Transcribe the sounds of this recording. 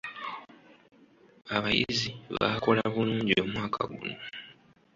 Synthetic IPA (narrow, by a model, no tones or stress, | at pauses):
aβajḭziβa̰ko̞laβuluːɲɟio̞ːmwaːkʰa̰ɡṵno